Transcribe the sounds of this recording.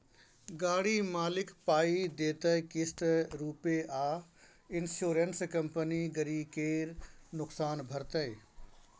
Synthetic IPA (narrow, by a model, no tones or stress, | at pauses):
ɡaːɽimaːlɪkpaːid̪eːt̪əjkɪsʈ̪ɾuːpeʔaː | ɪnsoːɾənskɐmpəniɡəɾiːkeːɾnʊksaːnbʱəɾt̪əj